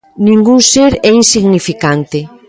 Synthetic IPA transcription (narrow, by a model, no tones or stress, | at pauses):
nĩŋɡuŋseɾɛinsiɣnifikant̪ɪ